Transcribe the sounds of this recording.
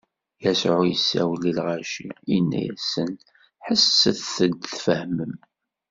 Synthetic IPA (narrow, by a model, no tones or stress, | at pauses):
jæsʕujəsːæ̰wlːilʁaʃiinːæ̰jæ̰sən | ħəsːəθθəd̪θfəhməm